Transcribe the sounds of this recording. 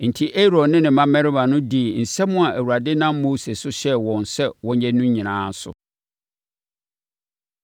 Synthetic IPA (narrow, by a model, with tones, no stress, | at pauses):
n̩˨tʰi˦ʔe˦ɾɔ˨nɪ̃˦nɪ̃˨mã˦mɛ˦ɾɪ˦ba˨nʊ̃˦di˦˨n̩˨sɛ˦mʊ̃˦a˨ʔæ˨wu˨ɾa˨dɪ˦nã˦mmoː˦se˨sʊ˦ɕɛ˦wɔ̃˨n˨sɛ˦wɔ̃˦ɲ˦ɛ˦nũ˦ɲĩ˨nãː˦n̩˦sʊ̰˨